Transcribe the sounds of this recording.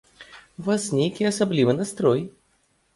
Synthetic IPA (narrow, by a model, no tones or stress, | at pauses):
vasnʲejkʲiɐsablʲivɨnast̪ɾɔj